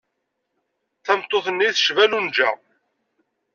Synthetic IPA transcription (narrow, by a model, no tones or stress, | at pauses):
θæmt̪ˤːoθənːiθəʃvælund͡ʒæ̰